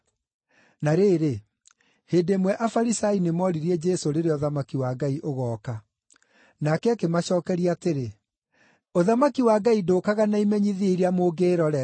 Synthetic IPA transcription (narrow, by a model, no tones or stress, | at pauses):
naɾeːɾe | heːdemwɛʔafaɾisainemɔɾiɾiɛd͡ʒɛsoɾeɾeɔðamakiwaɡaiʔoɣɔːka | nakɛakemaɕɔːkɛɾiateɾe | oðamakiwaɡaidoːkaɣanaimɛɲiðiiɾiamoːɡeːɾɔɾɛ